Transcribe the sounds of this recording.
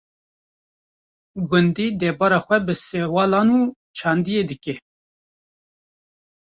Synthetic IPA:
ɡʊnd̪iːd̪ɛbɑːɾɑːxʷɛbɨsewɑːlɑːnuː | t͡ʃʰɑːnd̪ijeːd̪ɨke

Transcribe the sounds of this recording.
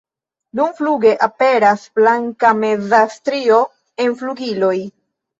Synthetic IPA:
numfluɡe̞ʔape̞ɾasblaŋkame̞d͡zastɾio̞ | e̞nfluɡilo̞j

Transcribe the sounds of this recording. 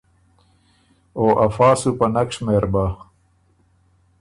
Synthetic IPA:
oːʔɐfaːsupɐnɐkʂmeːɾba

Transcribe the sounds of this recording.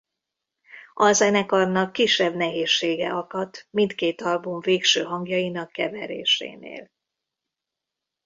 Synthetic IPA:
ʔɒzɛnɛkɒrnɒkːiʃːɛbnɛɦeːʃːeːɡɛ̰ʔɒkɒt̪mint̪keːt̪ɒlbuɱveːkʃøːɦɒŋɡjɒjinɒkːɛvɛɾḛːʃḛːnḛːl

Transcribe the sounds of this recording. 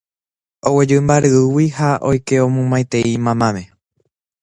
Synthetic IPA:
owed͡ʒɨmbaɾɨuwihaʔojke̞õmũmãjt̪e̞imãmãmẽ̞

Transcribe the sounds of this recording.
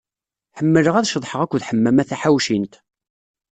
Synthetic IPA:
ħəmːələʁæðʃəðˤħəʁækʷːðħəmːæmæθæħawʃint̪

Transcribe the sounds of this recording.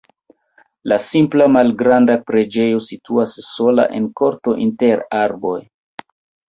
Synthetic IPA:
lasimplamalɡɾandapɾe̞d͡ʒe̞jo̞situasːo̞la̰ʔe̞̰nko̞ɾto̞ʔinteɾaɾbo̞j

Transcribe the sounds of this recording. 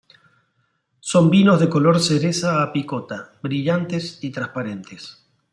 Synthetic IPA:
so̞mbino̞zðe̞ko̞lo̞ɾseɾesaːpikot̪aβɾiʎant̪esit̪ɾaspaɾe̞nt̪es

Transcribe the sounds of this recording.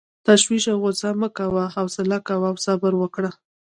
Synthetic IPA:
t̪aʃwiʃawɣʊzaməkawaɦawsɪlakawawsabəɾwəkɽa

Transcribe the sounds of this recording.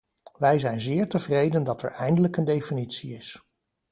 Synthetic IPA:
ʋɛjzɛjnzɪːɹtəvrejdəndɑtɛ̰ɹɛjndələkəndejfinitsiɪs

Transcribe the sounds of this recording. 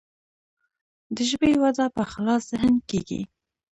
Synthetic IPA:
d̪əʒbewad̪apəxalɑszɪɦənkeɡḭ

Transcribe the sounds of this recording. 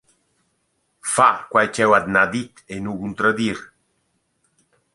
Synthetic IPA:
fakwajt͡ʃɛwad̪nad̪it̪enukunt̪ɾad̪iɾ

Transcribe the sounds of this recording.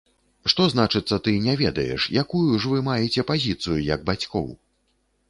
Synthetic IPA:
ʂt̪ɔzn̪at͡ʂɨt̪sːɐt̪ɨnʲɛvʲɛd̪ɐ̰jɛ̰ʂjakujuʐvɨmajɛt͡sʲɛpazʲit̪sɨjujɐɡ̚bat͡sʲkɔ̰w

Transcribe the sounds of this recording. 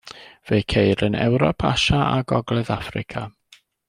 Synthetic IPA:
v̥ejkʰejɾənɛ̰wɾɔpʰa̰ʃaaɡɔɡlˠɛðafrɪ̰kʰa

